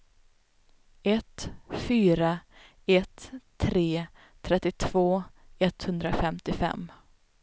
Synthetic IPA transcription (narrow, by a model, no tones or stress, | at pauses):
ɛt̪fyːɾa | ɛt̪ʰː | ɾeː | t̪ʰɾɛt̪ːɪt̪ʰv̥oːɛt̪hɵnd̪ɾafɛmt̪ɪfɛ̰mː